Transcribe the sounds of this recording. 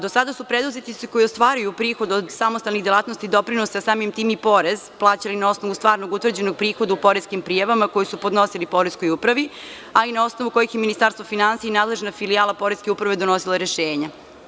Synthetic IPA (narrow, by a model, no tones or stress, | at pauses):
d̪osad̪asupɾed̪uzet̪iseko̞jost̪ʋaːɾujupɾiːxo̞d̪od̪samost̪alnixd̪jelaːt̪nost̪id̪o̞pɾinosasaːmimt̪iːmipo̞ɾe̞zplˠaːt͡ɕalinao̞snoʋust̪ʋaːɾnoɡut̪ʋvr̩d͡ʑe̞no̞ɡ̚pɾiːxo̞d̪aupo̞ɾezkimpɾiːjaʋamako̞jisupo̞d̪no̞silipo̞ɾesko̞jupɾaʋi | ainao̞snoʋuko̞jixjeminist̪aːɾst̪vofinansiainaːd̪le̞ʒnafilijaːlˠapo̞ɾezke̞upɾaʋed̪o̞no̞siloɾeʃeːɲa